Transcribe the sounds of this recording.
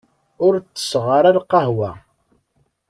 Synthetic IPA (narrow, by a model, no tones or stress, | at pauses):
ʊɾt͡sːə̥sʁəɾælqɑɦwæ̰